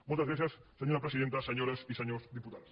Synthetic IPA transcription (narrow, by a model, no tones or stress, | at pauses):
molt̪azβeθjasːeɲoɾapɾesiðent̪aseɲoɾesiseɲozd̪iput̪aðs